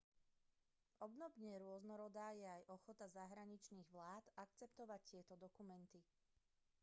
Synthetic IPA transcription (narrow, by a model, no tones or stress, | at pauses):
ɔbnɔbɲɛɾʊɔznɔɾɔd̪aːjɛajʔɔxɔt̪azaɦɾaɲit͡ʃniːɣʋlaːt̪ak̚t͡sɛpt̪ɔʋact̪ɪɛt̪ɔd̪ɔkumɛnt̪i